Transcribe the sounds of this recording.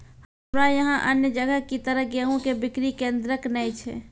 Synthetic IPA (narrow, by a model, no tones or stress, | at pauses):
həmɾajəɦãʔənjəd͡ʒəɡəɦkit̪əɾəɦɡeɦõkebɪkɾikẽnd̪ɾəknɛjt͡ʃʰɛ̰